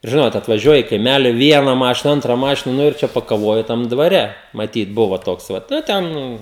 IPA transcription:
ɪr ˈʒʲɪnoːt ɐtʋɐˈʒʲuɔjɛ ɪ kɐɪˈmʲælʲɪ ˈʋʲiɛnɐ ˈmɑːʃʲɪnɐ ˈɐntrɐ ˈmɑːʃʲɪnɐ ˈnʊ ɪr ˈt͡ʃʲɛ pɐkɐˈʋoːjʊ ˈtɐm dʋɐˈrʲɛ mɐˈtʲiːt ˈbʊʋɐ ˈtoːks ˈʋɐt ˈnʊ ˈtʲɛn

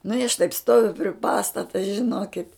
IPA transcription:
nʊ ɪ ɐʃ tɐɪp ˈstoːʋʲʊ pʲrʲɪ ˈpɑːstɐtɐ ʒʲɪˈnoːkʲɪt

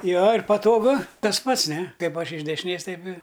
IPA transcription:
ˈjoː ɪr pɐtoːˈɡʊ ˈtɐs ˈpɐts ˈnʲɛ ˈkɐɪp ˈɐʃ ɪʃ dʲɛʃʲɪˈnʲeːs ˈtɐɪp ɪ

